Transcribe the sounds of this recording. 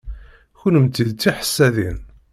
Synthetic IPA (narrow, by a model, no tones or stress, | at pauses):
çunəmt̪ːiðt͡s̪ːiħə̥sːæðin